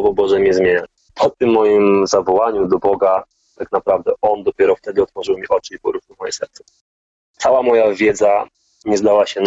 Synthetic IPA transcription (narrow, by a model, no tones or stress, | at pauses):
ɔvɔbɔʐɛmʲɛzmʲjeɲa | pʰɔt̪ɘmːɔjimzavɔwaɲud̪ɔbɔɡa | t̪aknapɾavd̪ɛʔɔnd̪ɔpʲjɛɾɔft̪ɛd̪ɘɔt̪fɔʐɘwmʲiʔɔt͡ʂɘipɔɾuxuwmɔjɛsɛ̰ɾt̪sɛ̥ | t̪sawamɔjavʲjɛd̪za | ɲɛzd̪awaɕɛn